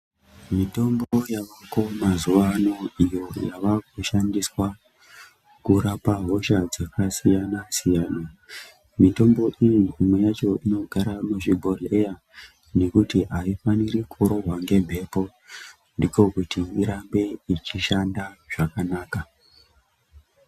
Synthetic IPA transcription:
mito̞mbojaʋakomazuʋano̞ijo̞jaʋakuʃandiswa | kuɾapaɦo̞ʃad͡zakasijanasijaːna | mito̞mbo̞ʔijiimwe̞jat͡ʃo̞ino̞ɡʱaɾamuʐiɡʱo̞reja | ne̞kutiɦaifaniɾikʰoɾo̞ɦwaŋɡe̞mbʱe̞po̞ | ndiko̞kutiiɾambe̞it͡ʃiʃandaʐ̥akanaːka

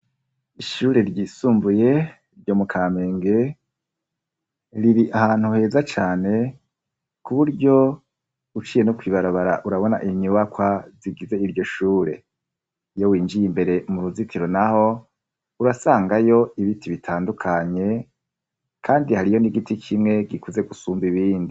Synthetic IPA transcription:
iʃuːɾe̞ɾɟiːsuːmbuje̞ | ɾɟo̞mukʰaːme̞ːŋɡe̞ | ɾiɾiʔahaːn̥huhe̞ːzat͡ʃaːne̞ | kuβuɾɟo̞ | ut͡ʃije̞nokwiːβaɾaβaɾa̰ʔuɾaβo̞naʔiɲuwakwaziɡize̞iɾjo̞ʃuːɾe̞ | jo̞wiːnd͡ʒijimbe̞ɾe̞muɾuzitʰiɾo̞naho̞ | uɾasaːŋɡajo̞iβitʰiβitʰaːndukʰaɲe̞ | kʰaːndihaɾijo̞niɡitikʰimŋe̞ɡikuze̞ɡusuːmbiβiːndi

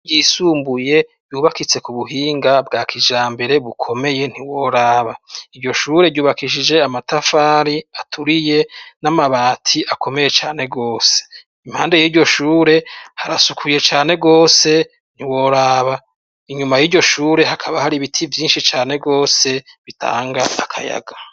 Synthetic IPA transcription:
jiːsuːmbuje̞ | juːβakit͡se̞kuβuɦiːŋɡabɡaːkʰid͡ʒaːmbe̞ɾe̞βukʰo̞me̞je̞n̥iwo̞ɾaːβaiɾɟo̞ʃuːɾe̞ɾɟuːβakiʃ̬id͡ʒe̞amatafaːɾiatʰuɾije̞namaβaːtʰiakʰo̞me̞je̞t͡ʃaːne̞ɡo̞ːse̥ | im̥haːnde̞jiːɾɟo̞ʃuːɾe̞haɾasukʰuje̞t͡ʃaːne̞ɡo̞ːse̞ | n̥iwo̞ɾaːβa | iɲumajiɟo̞ʃuːɾe̞hakʰaβahaɾiβitʰivjiːnʃit͡ʃaːne̞ɡo̞ːse̞βitʰa̰ːŋɡaːkʰa̰ja̰ɡa

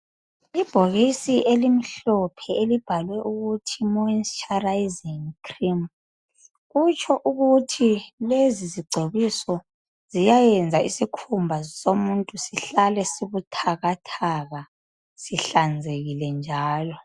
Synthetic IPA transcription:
ib̥ʱoɣisiʔelimiɬɔpʰɛelib̥ʱalwɛʔuɣutʰimɔinst͡ʃʰʼarajiziŋkʰrim | ɣut͡ʃʼʰɔʔuɣutʰileziziɡ͡ǀʱeβisɔ | zijajɛnd͡zʱaisikʰumbʱasomuntʼusiɬalɛsiβutʰaɣatʰaɣa | siɬand͡zʱeɣilɛnd͡ʒʱaːlɔ

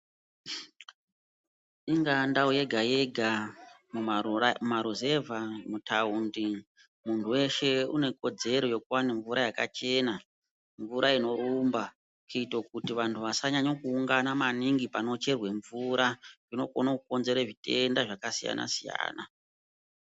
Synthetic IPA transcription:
iŋɡandauje̞ɡʱajeɡʱa | mumaɾuzevamutʰaundi | muntʰuwe̞ʃe̞une̞ko̞d͡ze̞ɾo̞jo̞kuwaneɱvuɾajaka̰t͡ʃe̞na | ɱvuɾaino̞ɾumba | kiitokutiʋantʰuʋasaɲaɲokuːŋɡanamaniŋɡipano̞t͡ʃe̞rwe̞ɱvuɾʔaʐino̞ko̰nakuko̞nze̞ɾeʐite̞ndaʐakasija̰na̰sija̰ːna

